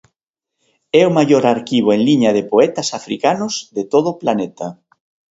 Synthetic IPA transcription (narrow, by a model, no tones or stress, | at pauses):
ɛomajoɾaɾkiβ̞oeŋliɲɐð̞epoɛt̪ɐsafɾḭkanʊzðet̪oð̞ʊplanɛt̪ɐ